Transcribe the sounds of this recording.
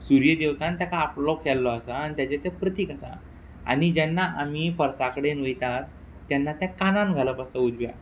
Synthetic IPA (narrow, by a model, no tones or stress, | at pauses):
suɾjəd̪eʋt̪ãnt̪jakaːplɔkɛlːɔasaːnit̪jat͡ɕet̪epɾət̪iːkasa̰ | a̰ñid͡ʑɛnːaʔamipəɾsakəɽenəjt̪at̪ː | janːat̪jakananɡʱaləpəst̪əud͡zʋja̰